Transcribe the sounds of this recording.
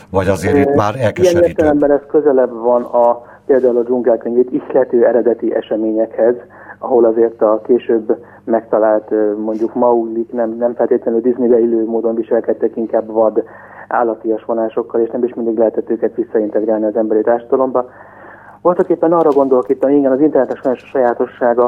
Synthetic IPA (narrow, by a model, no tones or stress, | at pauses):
vɒɟɒzeːaːɾɛlijɛneːrt̪ɛlɛmbɛnɛskø̞zɛlɛbvɒnɒ | peːld̪aːulɒd͡ʒuŋɡɛlt̪eŋɡeːt̪ixlɛt̪øːɛɾɛd̪ɛt̪iʔɛ̰ʃɛmeːɲɛkhɛz | ɒɦo̞lɒzeːrt̪ɒkeːʃøːbː | mɛkt̪ɒlaːlt̪mo̞ɲɟukmɒuɡliknɛmnɛmfɛleːt̪lɛnyld̪iznibɛiløːmoːd̪o̞nviʃɛlkɛt̪ːɛkiŋkaːbvɒd̪ | ʔa̰ːlːɒt̪ːijɒʃʋo̞naːʃo̞kːɒleːʃnɛmiʃmind̪iɡlɛɦɛt̪ɛt̪ːøːkɛt̪ʋisːɒint̪ɛɡɾaːlniɒzɛmbɛɾit̪aːrʃɒd̪ɒlo̞mbɒ | bolt̪okeːpːɛnɒrɒɡo̞nd̪o̞lkit̪ːɒmiŋɡɛnɒzint̪ɛrnɛt̪ɛʃoɲoʃɒ̥ʃɒjaːt̪o̞ʃːaːɡɒ